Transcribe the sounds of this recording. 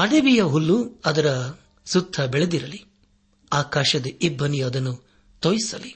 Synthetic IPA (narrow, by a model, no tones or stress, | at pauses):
ɐɽeʋijɐɦulːuɐd̪ɐɾɐ | sut̪ʰːɐbeɭed̪iɾɐli | aːkaːʃɐd̪ɐibʱːɐnijuɐd̪ɐnːu | t̪ojisɐli